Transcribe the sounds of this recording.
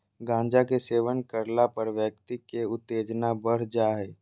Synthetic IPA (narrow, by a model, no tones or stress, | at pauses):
ɡãːɲd͡ʒakeseːʋənkəɾlapəɾʋjək̚t̪ikeʊt̪ːeːd͡ʒnabəɽ̤d͡ʒaːɦɛ